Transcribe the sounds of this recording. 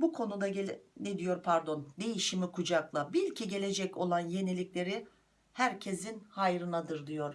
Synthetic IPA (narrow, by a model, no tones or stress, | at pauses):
bukʰo̞nud̪aɟened̪ijo̞ɾpʰaɾd̪o̞nd̪e̞jiʃimikʰud͡ʒaklˠabilʲcʰiɟe̞lʲe̞d͡ʒɛco̞lˠanje̞nilʲiclʲe̞ɾi | hæɾcʰe̞zinhajɾɯnad̪ɯɾd̪ijo̞ɾ̥